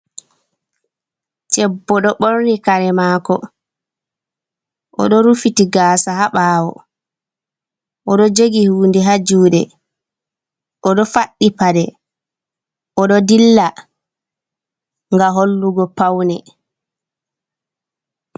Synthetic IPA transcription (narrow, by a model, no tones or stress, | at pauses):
t͡ʃɛbːɔɗɔɓoɾnikaɾɛmaːkɔ | ʔɔ̰ɗɔɾufitiɡaːsahaɓaːwɔ̰ | ʔɔɗɔd͡ʒoɡihuːndɛɦad͡ʒuːɗɛ | ʔɔɗɔfaɗːipaɗɛ | ʔɔɗɔdilːa | ŋɡaɦolːuɡɔpawnɛ